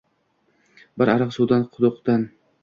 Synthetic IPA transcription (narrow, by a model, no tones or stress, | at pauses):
bɪɾaɾɑqsud̪anqʰʊd̪ʊqt̪an